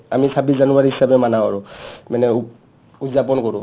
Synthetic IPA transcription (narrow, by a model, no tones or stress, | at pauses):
amisabiszanuaɹiɦisabɛmanaaɹumanɛ | uzapɔnkoɹũ